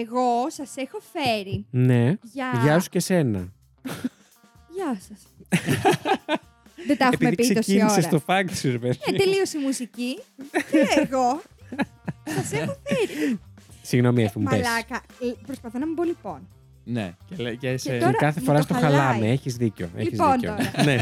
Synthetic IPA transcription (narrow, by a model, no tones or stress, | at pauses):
eɣo̞sɐse̞xo̞fe̞ɾine̞ʝɐʝɐsu̥cese̞nɐ̰ | ʝɐsɐs | ðed̪ɐexupimeipist̪osiiniosest̪ofɐksiɾvet̪eliosimusicieeɣo | sɐsexofeɾisiɣno̞miefmupesɐkɐpɾospɐθonɐmibolipon | nḛceleset̪oɾɐkɐθefoɾɐst̪oxɐlɐmeeçizðico̰eliçizpontooɐne